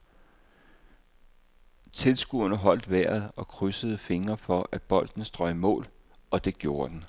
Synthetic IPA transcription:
t͡sʰe̝lsɡ̥uɐnəɦɒ̽l̰d̥ʋæɐ̰ð̞̩ˠɒ̽kʰʁysəð̞̩ˠəfe̝ŋɐfɒ̽ʔæd̥b̥ɒ̽l̰d̥n̩əsd̥ʁɒ̽ɪmɔ̰̽ːl | ɒ̽d̥e̝ɡ̥jo̝ːɐd̥en̩

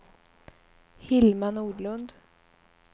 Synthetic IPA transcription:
hɪlmanuːɖɭɵnd̪

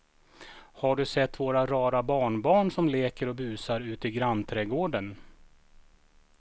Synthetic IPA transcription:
haɖɵsɛt̪ːvoːɾaɾɑːɾabɑːɳbɑːɳʂɔmleːkəɾɔbʉ̟ːsaɾʉ̟ːt̪ɪɡɾanːt̪ʰɾɛɡoːɖən

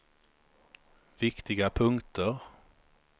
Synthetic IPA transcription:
vɪkt̪ɪɡapʰɵŋt̪əɾ

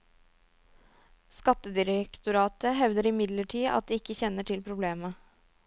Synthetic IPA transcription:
skɑt̪əd̪ɪɾəkt̪ʊɾɑːt̪əɦɛʋd̪əɾɪmɪd̪ləʈʰiːɑ̰t̪̚d̪iːɪkːəçɛnəʈʰɪlpʰɾʊbleːmə

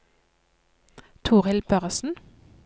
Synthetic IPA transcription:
t̪ʰuːʁɪlbœʁsn̩

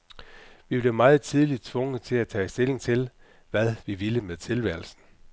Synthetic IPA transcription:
ʋib̥le̝ʊmɑ̈ːð̞̩ˠt͡sʰið̞ˠlid̥̚t͡sʰʋɔ̽ŋəð̩ˠt͡sʰe̝læt͡sʰɛ̰ːsd̥e̝le̝ŋt͡sʰe̝l | ʋæðˠʋiʋiləmeðˠt͡sʰe̝lʋæɐlsn̩

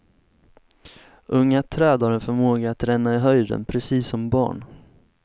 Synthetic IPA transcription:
ʔɵŋːat̪ʰɾɛːd̪haɾɛnfœɾmoːɡaːt̪ɾɛnːaɪɦœjd̪ə̰npʰɾɛsiːsːɔmbɑ̰ːɳ

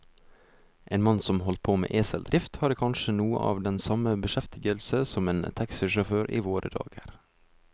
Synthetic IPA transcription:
ʔeːnmɑnsɔmhɔlt̪̚pʰoːmḛːʔeːsɛld̪ɾʔɪft̪hɑːɾkʰɑnʃənuːə̰ʔɑːʋd̪ɛnsɑməbəʃɛft̪ɪɡəlsəsɔmeːnt̪ʰɑksɪʃɔføːɾʔḭːʋoːɾʔə̰d̪ɑ̰ːɡəɾ

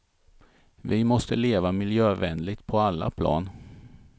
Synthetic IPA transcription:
vɪmɔst̪əleːvamɪljøːvɛnlɪt̪̚pʰɔalːa̰pʰlɑ̰ːn

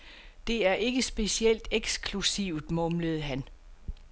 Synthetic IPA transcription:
d̥e̝æɐʔe̝ɡ̥əsb̥e̝siel̰d̥eɡ̥skʰlusiʊd̥mɔ̽mləð̞̩ˠɦæn

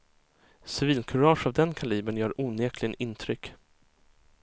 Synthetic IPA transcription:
sɪviːlkʰɵɾɑːʂavd̪ɛnkʰaliːbəɳjœːɾʔuːneːkʰlɪnɪnt̪ʰɾʏkː

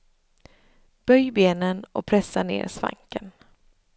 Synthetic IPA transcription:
b̥œjbeːnənɔpʰɾɛsːanḛːɾsva̰ŋkən

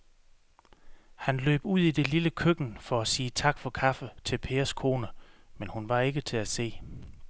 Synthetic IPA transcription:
hænlø̰ːb̥uð̰ˠid̥e̝liləkʰøɡ̥n̩fɒ̽æsiːət͡sʰɑ̈ɡ̥fɒ̽kʰɑfət͡sʰe̝lpʰe̝ːɐskʰo̝ːnəmenhunʋɑ̈e̝ɡ̥ət͡sʰe̝læse̝̰ː

